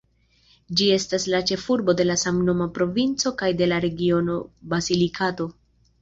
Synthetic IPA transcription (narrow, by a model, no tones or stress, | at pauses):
d͡ʒie̞staslat͡ʃe̞fuɾbo̞de̞lasamno̞mapɾo̞vint͡so̞kajde̞laɾe̞ɡio̞no̞bazilikʰato̞